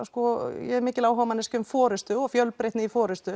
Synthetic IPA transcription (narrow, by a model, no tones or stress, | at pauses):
skɔjɛɛɾmɪːcɪlaːwɦavamanːɛscʏmfɔːɾʏst̪ʏɔɣfjœlpɾeht̪nɪifɔːɾʏst̪ʏ